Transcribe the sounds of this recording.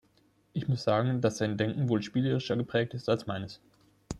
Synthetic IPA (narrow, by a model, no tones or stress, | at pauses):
ʔɪçmʊsz̥aːɡŋ̩d̥asz̥aɪndɛŋkŋ̩voːlʃpiːləʁɪʃɐɡəpʁ̥ɛːk̚tɪstalsmaɪnəs